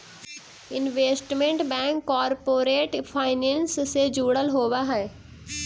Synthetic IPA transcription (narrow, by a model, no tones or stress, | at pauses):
ɪnʋeːsʈmẽɳʈbɛ̃ːŋkːaːɾpoːɾeːʈpʰaːɪnẽnssed͡ʒuːɽəlɦoːʋaɦɛeː